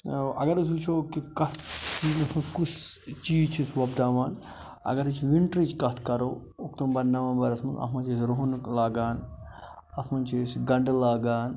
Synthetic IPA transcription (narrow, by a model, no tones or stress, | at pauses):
ɐ̰ɡɐɾɐs̬ut͡ʃʰoːkikɐt̪t͡ʃilɐsmuskust͡ʃiːt͡ʃʰisʋɐbd̪aːʋaːn | ɐ̰ɡɐɾɨt͡ʃʰʋiɳʈɾit͡ʃkɐt̪ʰkɐɾoː | uk̚t̪umbɐnːaːʋɐːnbɐɾɐsmɐnɐ̰t̪ʰmɐnt͡ʃʰisɾoɦunlaːɡaːn | ɐt̪ʰmɐnt͡ʃʰisɡɐɳɖlaːɡaːn